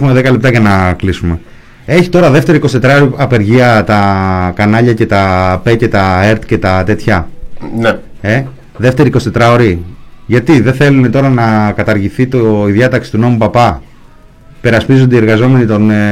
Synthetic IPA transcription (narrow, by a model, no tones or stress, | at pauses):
xumeðekɐle̞p̚t̪ɐʝɐnɐklisume̞ | eçi̥t̪o̞ɾɐðe̞ft̪e̞ɾiko̞sit̪e̞t̪ɾɐoɾiɐpe̞ɾʝiɐt̪ɐkɐnɐʎɐce̞t̪ɐpe̞ce̞t̪ɐe̞ɾt̪ce̞t̪ɐt̪e̞t̪çɐn | e | ðe̞ft̪e̞ɾiko̞st̪e̞t̪ɾɐo̞ɾiʝɐt̪iðeθe̞lune̞t̪o̞ɾɐnɐkɐt̪ɐɾʝiθit̪oiðjɐt̪ɐksi̥t̪uno̞mupɐpɐ | pe̞ɾɐspizond̪eieɾɣɐzo̞me̞nit̪o̞n